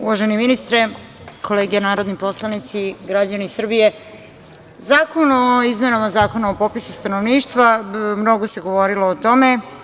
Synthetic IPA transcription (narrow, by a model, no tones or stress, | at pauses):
ṵʋaʒeniminist̪ɾe | kʰo̞leːɡijenaːɾo̞d̪nipo̞slˠanit̪siɡɾad͡ʑanisr̩bije̞ | zaːkonoizme̞namazaːko̞naopopisust̪anoʋniːʃt̪ʋamno̞ɡose̞ɡo̞ʋo̞ɾiloːt̪o̞me̞